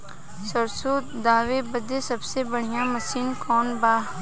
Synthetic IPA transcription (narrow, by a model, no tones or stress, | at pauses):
səɾsoːd̪aːʋebəd̪esɐbsebəɽ̤ijãmɐsiːnkɔːnbaːɦ